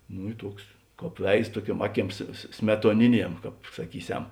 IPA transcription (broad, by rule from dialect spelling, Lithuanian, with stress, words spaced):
ˈnʊ ɪ ˈtuɔks ˈkɑːp ˈʋʲɛɪs ˈtuɔˌkʲuɔm ˈɑːˌkʲiɛms sʲmʲɛtuɔˈnʲɪˌnʲiɛm ˈkɑːp sɐˈkʲiːˌsʲɛm